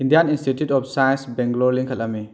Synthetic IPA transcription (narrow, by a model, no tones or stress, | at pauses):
indijaninstitjutɔp̚sajnsbɛŋɡlɔɾliŋkʰɐlami